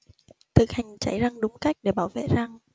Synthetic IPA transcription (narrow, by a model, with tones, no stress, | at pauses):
t̪ʰɨ̰˨˧˩k̚ha˨˩jŋ̟t͡ɕa˧˩jza˧ŋɗʊ˨˦ŋ͡mka˦˥jk̟̚ɗe˧˩ɓaː˧˩wvḛ˧˨za˧ŋ